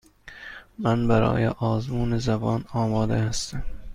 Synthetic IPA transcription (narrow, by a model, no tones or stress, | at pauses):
mænbæɾɒ̰ːjeʔɒːzmuːnezæbɒːnɒːmɒːd̪ehæst̪æm